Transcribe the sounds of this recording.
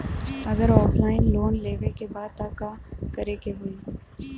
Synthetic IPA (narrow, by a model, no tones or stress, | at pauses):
ɐɡəɾɔːfʰlaːɪnloːnleːʋekebaːd̪̚t̪aːkakɐɾekeɦoiː